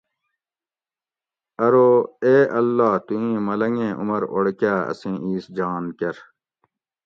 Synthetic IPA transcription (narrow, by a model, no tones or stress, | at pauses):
ɐɾoːeːʔɐlːaːt̪uĩːmɐlɐŋɡẽːʔṵmɐɾoɽkaːɐ̰sẽːʔiːsd͡ʑaːnkɐɾ